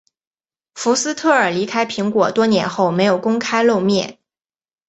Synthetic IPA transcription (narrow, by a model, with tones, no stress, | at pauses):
fu˧˥sɹ̩˥t̪ʰɤ˥˩ə˞˨˩li˧˥kʰa˥ɪpʰi˧˥ŋkwɔ˨˩t̪wɔ˥njɛ˧˥nxo˥˩ʊme˧˥ɪjo˨˩ʊkʊ˥ŋkʰa˥ɪlo˥˧ʊmjɛ̰˥˩n